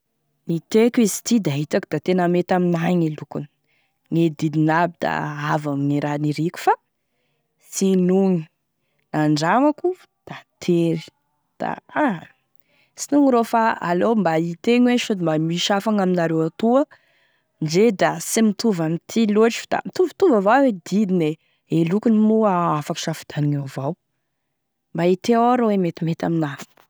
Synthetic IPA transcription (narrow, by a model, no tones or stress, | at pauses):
nit̪ekʲizi̥t̪id̪aɦit̪akud̪̥at̪enəmet̪aminajŋelukuni̥ | ŋed̪id̪inabid̪a̰avaminiɾaniɾikʲu̥fa | sinuŋi̥ | naɳɖ͡ʐamaku | d̪̥at̪ʰeɾi̥ | d̪̥a̰a | sinuŋiɾofaa̰lombait̪eɲweʃud̪imbamiʃafaŋaminaɾewat̪uə | nd͡ʒed̪asimit̪uvamit̪ʰiloʈ͡ʂi̥fd̪a̰mit̪uvit̪uvavawed̪id̪ine | elukunimuaafaku̥ʃafi̥d̪̥aniŋovaw | mbait̪eaɾowemet̪imet̪aminafi̥